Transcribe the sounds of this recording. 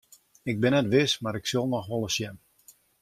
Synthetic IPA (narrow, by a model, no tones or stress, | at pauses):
ɪɡ̚bɪnɛtʋɪsmaɾɪksølˠnɔxʋɔlˠəsjɛm